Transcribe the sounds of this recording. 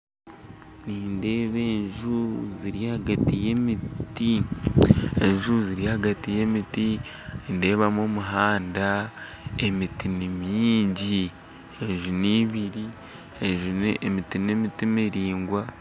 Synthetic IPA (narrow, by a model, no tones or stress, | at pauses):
niːnde̞ːβe̞ːɲʒuziɾijahaɡatije̞miti | eɲʒuziɾiahaɡatije̞miti | inde̞ːβamomuɦaːnda | e̞mitinimjiːɲɟi | eʒuniβiɾi | eʒunmitinemitimiɾiːŋɡwa